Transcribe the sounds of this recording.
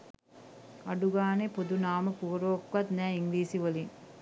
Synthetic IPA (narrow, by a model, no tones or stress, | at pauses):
ɐɖuɡaːnepud̪unaːməpuːɾʋoːkʋɐt̪næːiŋliːsiʋoliŋ